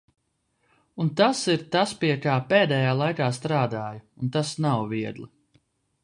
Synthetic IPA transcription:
unt̪asiɾt̪aspiɛkaːpeːd̪ɛjaːlˠajkaːst̪ɾaːd̪aːjuunt̪asnawviɛd̪lˠi

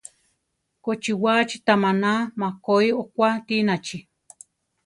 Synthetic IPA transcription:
kot͡ʃiwat͡ʃi̥t̪amanamakoiokʷat̪inat͡ʃi

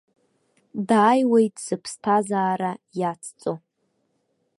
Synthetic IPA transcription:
daːjwejtʼz̥ɨpʰstʰazaːɾajat͡sʰt͡sʼo

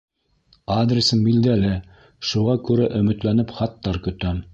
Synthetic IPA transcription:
ad̪ɾʲɪsɤmbild̪ælɘ | ʃuʁɑkʉɾæʔɵ̆mɵ̆t̪lænɘpχɑt̪ːɑɾkɵ̆t̪æm

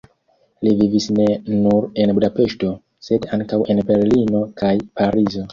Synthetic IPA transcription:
livivisne̞nuɾe̞nbudape̞ʃto̞ | se̞daŋkawʔe̞nbe̞ɾlino̞kajpaɾizo̞

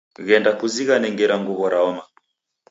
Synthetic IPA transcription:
ɣɛndakuziɣanɛŋɡɛɾaŋɡuβɔɾaɔma

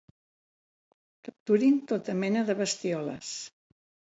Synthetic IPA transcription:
kəp̚t̪uɾint̪ot̪əmɛnəðəβəst̪iɔlə̰s

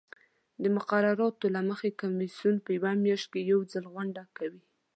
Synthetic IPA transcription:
d̪əmʊqaɾaɾɑt̪olaməxekamisjunpəjawamjɑʃt̪̚kejawd͡zəlɣaɳɖakawi

